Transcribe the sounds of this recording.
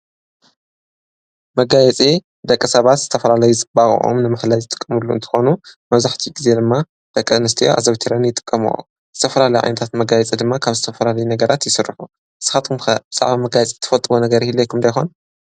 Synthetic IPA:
mɐɡajɛt͡sʼi | d̪ɐkʼːɐsɐβat̪z̥ɨt̪ʰɐfɐlalɐjuzɨbaɣ̰ʔo̰mnɨmaħlajzɨt̪ʼɨ̥kʼːɐmɨlːuɨnt̪ʰɨ̥xo̞numɐβzaħt̪ʰiɡize̞d̪ɨmːa | d̪̥ɐkʼːɐnɨst̪ʰijoʔa̰zɐβt̪ʰiɾɐnjɪt̪ʼɨ̥kʼːɐmṵ | z̥ɨt̪ʰɐfɐlalɐjʕa̰jnɐt̪ʰat̪mɐɡajɛt͡sʼid̪ɨmːakʰaβzɨt̪ʰɐfɐlalɐjunɐɡɐɾat̪jɪsɨrːɨħu | ʔɨsːɨ̥xat̪ʰumxɐb̥ɨzʼa̰ʕβamɐɡajɛt͡sʼi̥t̪ʰːɐfɐlt̪ʼɨβonɐɡɐɾihilːojkʰɨmd̪ɐjxo̞n

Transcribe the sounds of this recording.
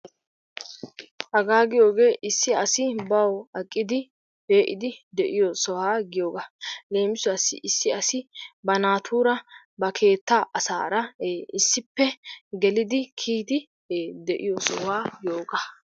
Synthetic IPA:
hɐɡaːɡɪjo̞ːɡe̞ːʔɪsːɪɐsɪbɐwɐkʼːɪd̪ɪ | b̥e̞ːʔɪd̪ɪd̪ɛʔɪjosɔwaːɡɪjo̞ːɡɐle̞ːmɪsʊɐsɪ̰ʔɪsːɪɐsɪbɐnaːt̪ʰuːɾɐ | bɐkʰe̞ːt̪ːaʔɐsa̰ːɾɐeːɪsːɪpːɛɡɛlɪd̪ɪkʰiːd̪ɪː | d̪ɛʔɪjosɔwaːɡjo̞ːɡɐ

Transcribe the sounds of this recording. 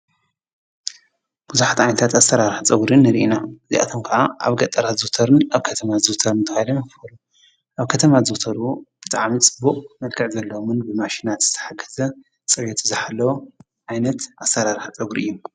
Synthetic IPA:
b̥uzuħat̪ʕajnɐt̪ʰat̪astɐɾaɾħat͡sʼɐɡɾɨnːɨɾiʔinaɨzḭʔa̰t̪ʰomkʰɐʕaa̰βɡɐt̪ʼːɐɾazɨt̪ʰɐɾɨnaβkʰɐt̪ʰɐmazɨt̪ʰɐɾɨnɨt̪ʰɨxajlɐmɨkɨfɐlu | ʔaβkʰɐt̪ʰɐmazut̪ʰɐɾub̥ɨt̪ʼaʕmit͡sʼɨbuqʼmɐlkʰɨʕzɐlːɐwomɨnbɨmaʃinat̪z̥ɨ̥t̪ʰɐ̥ħaɡɐzɐ | t͡sʼɨjot̪ʰɨzɨħalːɐwo | ʕajnɐt̪ʔasɐɾaɾħt͡sʼɐɡuɾɨ̰jːum

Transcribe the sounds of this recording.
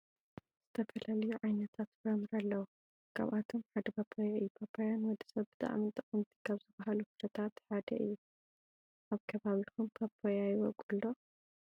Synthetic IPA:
z̥ɨt̪ʰɐfɐlalɐjuʕajnɐt̪ʰat̪ɾɐmɨɾɐlːɐwu | kʰa̰βʔat̪ʰomħad̪ɐbʰɐpʰojaɨjupʰapʰajanwɔd̪i̥sɐβbbɨt̪ʼa̰ʔmint̪ʼɨχʼɨmt̪ʰi̥kʰaβzɨbahalukɨɾʰɐt̪ʰat̪ħad̪ɐʔɨ̰jːu | ʔaβkʰɐβaβixumpʰɐpʰːojajwɔɡʼulːo

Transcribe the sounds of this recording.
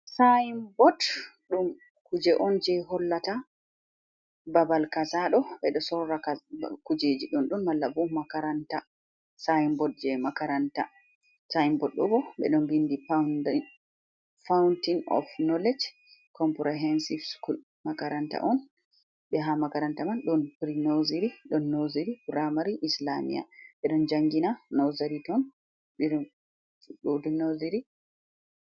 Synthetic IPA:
sajimbɔtɗum | kud͡ʒɛʔɔnd͡ʒɛɦɔlːata | babalkasaɗɔɓɛɗɔsɔɾakakud͡ʒed͡ʒiɗunɗunmalːabɔmakaɾanta | sajimbɔt̚d͡ʒɛmakaɾanta | sajimbɔt̚ɗɔ̰bɔɓɛ̰ɗɔmbindi | fawuntinɔ̰fnɔlɛd͡ʒ | kʰɔmpɾɛɦɛnsifskul | makaɾanta̰ʔɔn | ɓɛɦamakaɾantamanɗɔnpɾinoziɾiɗɔnːoziɾibuɾamaɾiʔislamḭja̰ɓɛɗɔnd͡ʒaŋɡinanɔzaɾitɔn | ɗɔdunoziɾi

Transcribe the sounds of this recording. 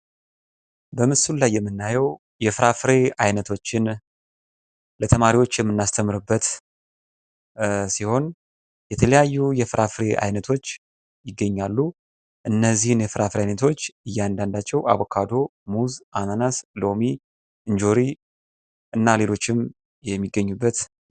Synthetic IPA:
bəmɨsullajːɛmːɨnːajɛw | jɛfɨɾafɾe̞ajnət̪ʰo̞t͡ʃːɪn | lət̪ʰəmaɾiwo̞t͡ʃːjɛmːɨnːast̪ʰəmɨɾɨbːət̪ | siho̞n | jɛt̪ʰələjajːujɛfɨɾʔafɾe̞ʔa̰jnət̪ʰo̞t͡ʃː | jɪɡːəɲːalːu | ʔɨnːəzːihɨnjɛfɨɾafɨɾeajnət̪ʰo̞t͡ʃːɨjːand̪and̪at͡ʃːɛwa̰βokʰad̪o̞muzʔananaslo̞mi | ʔɨnd͡ʒo̞ɾi | ʔɨnːale̞lo̞t͡ʃːɪm | jɛmːiɡːəɲːubːət̪

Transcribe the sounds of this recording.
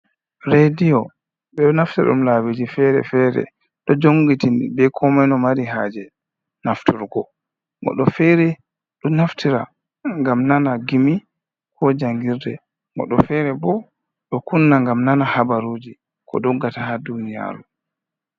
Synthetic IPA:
ɾedijɔ | ɓɛɗɔnaftaɗṵmlawid͡ʒifɛɾɛ̰fɛɾɛ̰ | ɗɔd͡ʒoŋɡitinbɛkʰɔmanɔmaɾiɦaːd͡ʒɛ | naftuɾɡɔ | mɔ̰ɗɔfɛɾɛ | ɗɔmnaftʰiɾa̰ | ŋɡamnanaɡimi | kʰɔd͡ʒaŋɡiɾdɛ̰ | mɔ̰ɗɔfɛɾɛbɔ | ɗɔkunːaŋɡamnanahabaɾuːd͡ʒi | kʰɔ̰ɗɔɡːatahadunija̰ːɾu

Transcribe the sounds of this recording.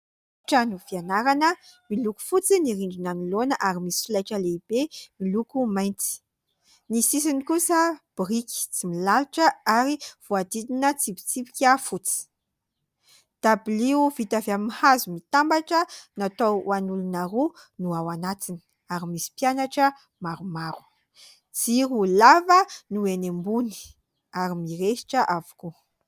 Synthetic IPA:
ʈ͡ʂanufianaɾanəmiluku̥fut͡siniɾiɳɖ͡ʐinanilonəʔaɾimisi̥filajʈ͡ʂəleib̥emilukumajnt͡si̥ | nisis̬inikusəb̥riki̥t͡similaluʈ͡ʂəaɾiv̥uad̪ininət͡sipi̥t͡sipi̥kʲafut͡si̥ | d̪̥abiliuvit̪aveamimihazumit̪ambaʈ͡ʂənat̪owanulunaɾu | nuawanat̪ini̥ | aɾimisi̥pjanaʈ͡ʂə | maɾumaɾu̥ | t͡siɾulavənuenembuni̥ | aɾimiɾeʃi̥ʈ͡ʂəʔavu̥ku

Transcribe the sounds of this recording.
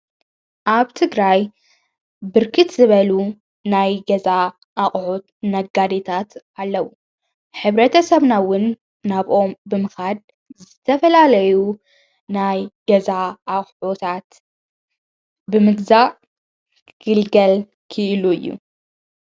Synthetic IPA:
ʔaβt̪ʰɨɡɾaj | bɨɾkʰɨt̪zɨβɐlu | najɡɐza | ʔːχʼʕut̪ | nɐɡad̪et̪ʰat̪ | alːɐwu | ħɨβɾɐt̪ʰɐsɐβnawʊnː | aβʔo̞mbɨmɨxad̪̚ | zɨt̪ʰɐfɐlalɐju | najɡ̥ɐzaaχʼʕot̪ʰat̪ | bɨmɨɡzaʔ | ɡ̥ɨlɡɐl | kʰɨʔɨluɨjːṵ

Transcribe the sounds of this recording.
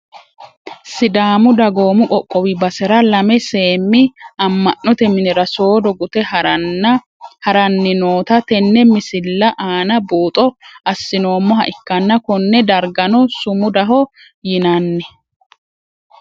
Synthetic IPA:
sɪd̪aːmʊd̪ɐɡoːmʊʔʼɔkʼːɔwɪbɐsɛɾɐlɐmɛse̞ːmːɪɐmːɐʔːɔt̪ɛmɪnɪɾɐso̞ːd̪ɔɡʊt̪ɛ | hɐɾɐnːɪno̞ːt̪ɐt̪ɛnːɛmɪsɪlːɐʔaːnɐbuːt̪ʼɔɐsːɪno̞ːmːɔɦɐ̰ʔɪkːɐnːɐkɔnːɛd̪ɐɾɡɐnɔsʊmʊd̪ɐɦɔ | jɪnɐnːɛ

